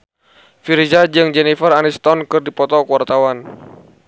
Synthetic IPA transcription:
fiɾizad͡ʒɨŋd͡ʒɛnifəranist̪ɔnkɨrdipɔt̪ɔkuwart̪awan

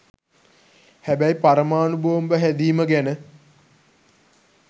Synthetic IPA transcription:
hæbæipaɾəmaːnuboʋəmbəɦæd̪iːməɡænə

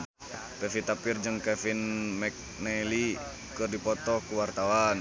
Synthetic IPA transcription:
pɛfit̪apird͡ʒɨŋkɛfinmɛk̚nɛli | kɨrdipɔt̪ɔkuwart̪awan

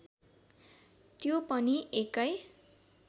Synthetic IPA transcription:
t̪jopʌniekʌj

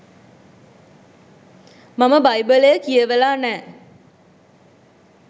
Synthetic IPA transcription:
maməbajbəlejəkijəʋəlaːnɛː

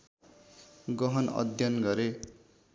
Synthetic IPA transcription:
ɡʌɦʌnʌ̰d̪ʱjʌnɡʌɾe

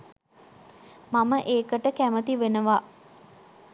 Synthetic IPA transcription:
maməʔeːkəʈəkæmət̪iʋenəʋa

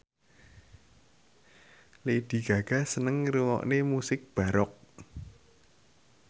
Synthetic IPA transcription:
led̪̥i̤ɡ̥a̤ɡ̥ä̤sənəŋɾuwɔ̰ʔnemusɪk̚b̥a̤ɾɔk̚

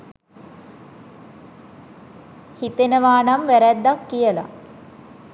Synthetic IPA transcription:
hit̪enəʋaːnamʋæɾæd̪ːakːijəla̰

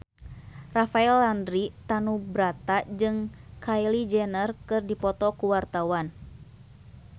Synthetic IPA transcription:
rafaɛlandɾit̪anubɾat̪ad͡ʒɨŋkʰailid͡ʒɛnərkɨrdipɔt̪ɔkuwart̪awan

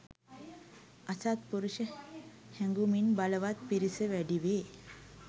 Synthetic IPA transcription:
asat̪̚puɾuɕə | hɛ̃ŋɡuminbaləʋat̪̚piɾisəʋɛɽiʋe

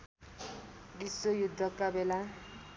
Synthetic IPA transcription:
d̪iswojud̪ʱːʌkːabela

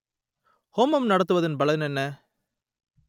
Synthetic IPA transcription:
hoːmɐmnɐɽɐt̪ːɯʋɐðɯnbɐlɐnɛnːɐ

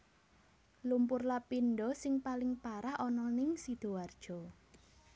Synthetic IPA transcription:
lumpʊrlapinɖɔsɪŋpalɪŋpaɾahɔnɔnɪŋsid̪̥o̤ward̥ʒ̥ɔ̤

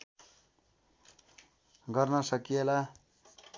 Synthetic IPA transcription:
ɡʌrnʌsʌkijela

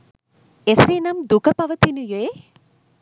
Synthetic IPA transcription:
eseːnɐmd̪ukɐpɐʋɐt̪inujoe

